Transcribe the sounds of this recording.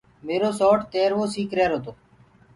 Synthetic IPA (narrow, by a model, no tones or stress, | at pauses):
meːɾoːsɔːʈt̪eːɾʋoːsiːkɾeːɾɦoːt̪oː